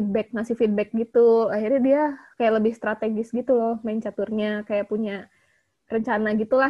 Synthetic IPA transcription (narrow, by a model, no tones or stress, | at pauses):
id̚bɛk̚nasɪhfid̚bɛk̚ɡit̪uahirɲadiakajaʔləbɪhst̪ɾat̪eɡɪsɡit̪ulɔhmaɪnt͡ʃat̪ʊrɲakajaʔpuɲa | rəɲt͡ʃanaɡit̪ula